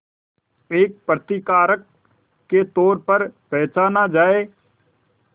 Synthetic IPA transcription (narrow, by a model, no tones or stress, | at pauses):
eːk̚pɾət̪ɪkaːɾəkː | et̪ɔːɾpəɾpɛːt͡ʃaːnad͡ʒaːeː